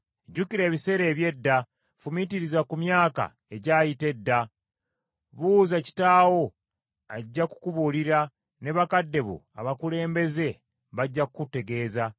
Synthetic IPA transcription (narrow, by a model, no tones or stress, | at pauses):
ɟukiɾe̞ːβise̞ːɾe̞ːβje̞dːa | fumitiɾizakumjaːka̰ | e̞ɟaːjite̞dːa | βuzaci̥taːwo̞ | aɟːaku̥kuβuliɾa | ne̞βakadːe̞βṵ | a̰βakule̞ːmbe̞ze̞ | βaɟːakukute̞ɡe̞ːza